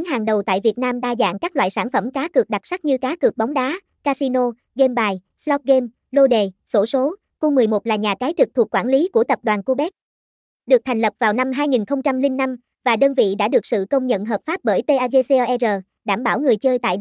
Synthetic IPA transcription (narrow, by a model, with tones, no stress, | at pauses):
nɦaː˨˩ŋɗə˨˩wt̪a̰ː˧˨jvi˨˩ət̚naː˧mɗaː˧za̰ː˧˨ŋkaː˦˥k̚la̰ː˧˨jsaː˧˩nfə˧˩mkaː˨˦kɨ˨˩ək̚ɗa˨˩k̚sa˦˥k̚ɲɨ˧kaː˨˦kɨ˨˩ək̚ɓa˨˦wŋ͡mɗaː˨˦ | kaː˧si˧no˧ | ɣe˧mɓaː˨˩j | slɔ˦˥p̚ɣe˧m | lo˧ɗe˨˩so˧˦so˨˦ | ku˧mɨ˨˩əjmo˨˩t̚laː˨˩ɲaː˨˩kaː˨˦jt͡ɕɨ˨˩k̚t̪ʰu˨˩ək̚kwaː˧˩nli˨˦ku˧˩ət̪ə˨˩p̚ɗwaː˨˩nku˧ɓɛ˦˥k̚ | ɗɨ˨˩ək̚t̪ʰa˨˩jŋ̟lə˨˩p̚v̥aː˨˩wna˧mɦaː˧jŋi˨˩nxə˧wŋ͡mt͡ɕa˧mlï˧ŋ̟ːa˧m | vaː˨˩ɗəː˧nvḭ˧˨ɗa̰ː˧˥ɗɨ˨˩ək̚sɨ̰˧˨kə˧wŋ͡mɲə̰˧˨nɦəː˨˩p̚faː˦˥p̚ɓəː˧˩jt̪e˧ʔaː˧ze˧se˧ʔɛ˧zəː˨˩ | ɗaː˧˩mɓaː˧˩wŋɨ˨˩əjt͡ɕəː˧jt̪a̰ː˧˨j